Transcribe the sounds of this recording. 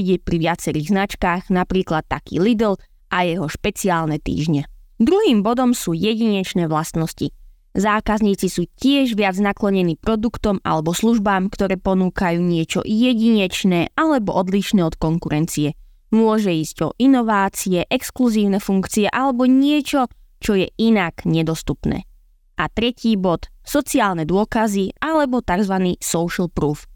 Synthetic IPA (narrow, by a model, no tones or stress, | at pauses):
iɟɛpɾiʋɪat͡sɛɾiːɣznat͡ʃkaːɣnapɾiːklat̪ːakḭːlid̪l̩ | ʔajɛɦɔʃpɛt͡siaːlnɛt̪ḭːʒɲɛd̪ɾuɦiːmbɔd̪ɔmsuːjɛɟiɲɛt͡ʃnɛːʋlast̪nɔsci | zaːkazɲiːt͡sisuːcɪɛʒʋɪad͡znaklɔɲɛniːpɾɔd̪ukt̪ɔma̰lɛbɔsluʒbaːmkt̪ɔɾɛːpɔnuːkajuːɲɪɛt͡ʃɔ̰jɛɟiɲɛt͡ʃnɛːʔalɛbɔʔɔd̪liʃnɛːɔt̪kɔŋkuɾɛnt͡siɛ | mʊɔʒɛiːzɟɔ̰ʔinɔʋaːt͡siɛʔɛkskluziːʊnɛfuŋkt͡siɛʔalɛbɔɲɪɛt͡ʃɔ | t͡ʃɔjɛʔinaɡɲɛd̪ɔst̪upnɛ̰ː | ʔat̪ɾɛciːbɔt̪sɔt͡siaːlnɛd̪ʊɔkazialɛbɔt̪aɡzʋaniːsɔʊʃlpɾuːf